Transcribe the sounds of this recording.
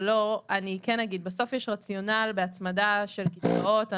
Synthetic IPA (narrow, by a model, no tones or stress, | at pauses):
lo̞anikɛnaɡid̪̚beso̞fjeʃʁat͡sjo̞nalbeat͡smadaʃe̞lkit͡sa̰o̞t̪a